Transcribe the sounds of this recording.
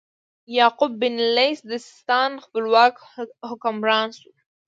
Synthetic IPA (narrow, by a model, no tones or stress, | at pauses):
jɑːqʊbːɪnlejsd̪əsɪ̥st̪ɑnxpəlwɑːk | hʊkʊmɾɑːnsu